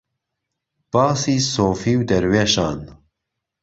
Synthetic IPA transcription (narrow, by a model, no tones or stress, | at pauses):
b̥ɑːsiːsoːfiːwd̪ɐɾweːʃɑːn